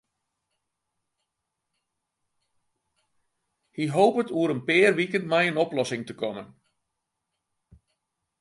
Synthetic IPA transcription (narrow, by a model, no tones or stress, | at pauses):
hiɦoːpətuəɾənpɪːrʋikənmɛjənɔplɔsɪŋtəkɔmən